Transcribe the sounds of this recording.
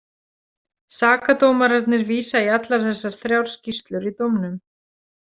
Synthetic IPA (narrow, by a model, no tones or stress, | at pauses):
saːkat̪oːwmaɾaɾt̪nɪɾviːsaiat̪laɾ̥θɛsːaɾ̥θɾjawɾ̥scist̪lʏɾit̪ɔwmnʏm